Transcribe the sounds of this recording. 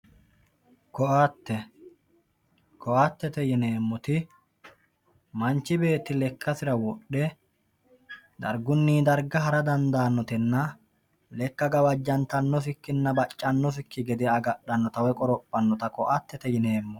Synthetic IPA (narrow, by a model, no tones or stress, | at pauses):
kɔʔat̪ːɛ | kɔʔat̪ːɛt̪ɛjɪne̞ːmːɔt̪ɪ | mɐnt͡ʃːɪbe̞ːt̪ːɪlɛkʰːɐsɪɾɐwɔɗɛ | d̪ɐ̰ɾɡʊnːiːd̪ɐɾɡɐɦɐɾɐd̪ɐnd̪aːnːɔt̪ɛnːɐ | lɛkːɐɡɐwɐd͡ʒːɐnt̪ɐnːɔfɪkːɪnːɐbɐt͡ʃʼːɐnːɔfɪkːɪɡɛd̪ɛɐɡɐɗɐnːɔt̪ɐwɛkʼɔɾɔpʼːɐnːɔt̪ɐkɔʔɐt̪ːɛt̪ɛjɪne̞ːmːɔ